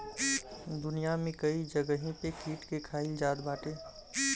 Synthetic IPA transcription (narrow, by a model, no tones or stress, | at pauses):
d̪ʊnijamẽkəid͡ʒəɡəɦĩpekiːʈkekʰaːɪld͡ʒaːd̪baːʈe